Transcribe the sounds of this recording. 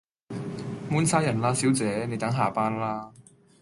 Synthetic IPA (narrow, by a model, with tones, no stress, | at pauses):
muː˥nsʰaː˥jɐ˨˩nlaː˧˥si˨˥wt͡sɛː˨˥ne˨˧jt̪ɐ˨˥ŋɦaː˨˩paː˥nlaː˥